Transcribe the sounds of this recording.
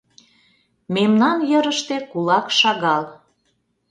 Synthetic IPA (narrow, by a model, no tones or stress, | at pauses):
memnɑnjəɾəʃt̪ekulɑkʃɑɣɑl